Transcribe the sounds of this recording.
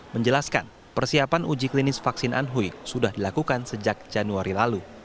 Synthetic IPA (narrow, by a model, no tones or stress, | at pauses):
məɲd͡ʒəlaska̰n | pərsiapanud͡ʒiklinɪsfaksɪnʔa̰nɦujsudahdilakukansəd͡ʒak̚d͡ʒanuaɾilalu